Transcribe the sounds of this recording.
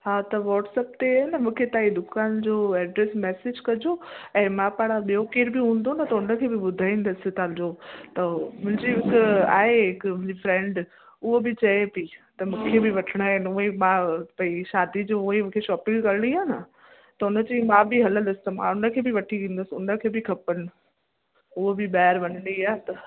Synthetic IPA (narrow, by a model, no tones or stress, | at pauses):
ɦaːt̪ɐʋɔːʈsɛːpt̪eaɦnɐmũːkʰet̪aːid̪ʊkaːnd͡ʑoːɛːɖɾesmɛːsed͡ʑkɐd͡ʑoɛ̃ːmãpaːɽ̃aɓijokeːɾbɪɦũːn̆d̪onɐt̪ɐʊnəkʰeːbɪɓʊd̪ʱaːĩːn̆d̪əsɪ̆t̪ad͡ʑot̪ɐmʊ̃ɦɪ̃ɲd͡ʑimɪka̰ːɦeɦɪkmʊ̃ɪ̃d͡ʑifɾɛ̃ːɳɖ | ʊɦobɪt͡ɕɐepit̪ɐmũkʰeːbɪʋɐʈʰɪɽ̃aːɦɪnʊɦemãːpɐiʃaːd̪id͡ʑoʊɦemũkʰeʃɔːpɪ̃ŋɡkɐɾɪɽ̃iaːnɐ | t̪ɐʊnə̆d͡ʑiːmãːbɪɦɐlə̃nd̪əsɪ̥t̪ɐmã̰ʊnəkʰeːbɪʋɐʈʰiʋĩːnd̪əsɪʊ̰nəkʰeːbɪkʰɐpəɽ̃ɪ̆ | ʊɦobɪɓaːəɾʋɐnəɽiaːt̪ɐ